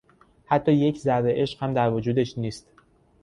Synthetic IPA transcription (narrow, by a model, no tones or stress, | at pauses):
hæt̪ʰːɒːje̞cʰzæɾd̪eʔe̞ʃqhæmd̪æɾvod͡ʒuːd̪e̞ʃniːst̪